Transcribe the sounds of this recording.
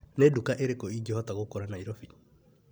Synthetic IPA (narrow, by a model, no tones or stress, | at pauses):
neːdukaʔeɾekɔiːɡehɔtaɣokoɾanaiɾɔfi